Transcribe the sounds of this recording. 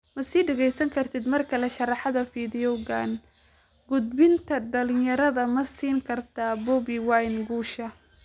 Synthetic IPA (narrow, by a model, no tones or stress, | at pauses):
mɐsiːɖɛɣɛjsɐŋkʰɐrt̪ʰɪd̪mɐrkʰɐlɐʃɑrɑħɑðɐfiːðɪjɔɣaːn | ɡʊd̪̚bɪnt̪ʰɐdɐlɪnjɐɾɐðɐmɐsiːŋkʰɐrt̪ʰaːbɔbiwajnɡuːʃɐ